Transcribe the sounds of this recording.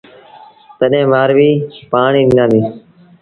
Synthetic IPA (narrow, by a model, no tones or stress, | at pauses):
t̪əɗẽːʋaːɾʋiːpaːɳiːɗɪnd̪ãːd̪iː